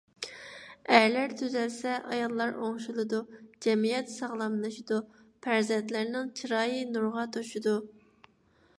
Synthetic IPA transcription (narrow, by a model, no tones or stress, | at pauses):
æɾlæɾt̪ʰyzɛlsɛʔɑjɑlˠːɑɾoŋʃulˠɨd̪ud͡ʒɛmijɛt̪sɑʁlˠɑmlˠɨʃid̪u | pʰæɾzɛnt̪læɾnɪŋt͡ʃʰiɾɑːjɨnuɾʁɑt̪ʰoʃud̪u